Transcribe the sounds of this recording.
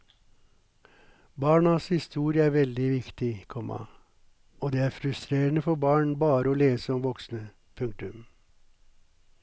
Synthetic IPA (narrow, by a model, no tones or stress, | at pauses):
bɑːɳɑshɪst̪uːɾɪəæːɾʋɛld̪ɪʋɪkt̪ɪkʰɔmʔɑ̰ | oːd̪eːæːfɾʉst̪ɾeːɾənəfɔbɑːɳbɑːɾəoːleːsəɔmʋɔksnə | pʰʉŋk̚t̪ʉm